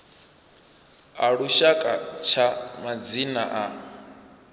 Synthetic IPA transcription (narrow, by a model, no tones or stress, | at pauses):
aɺuʃakʼat͡ʃʰamad͡zinaʔa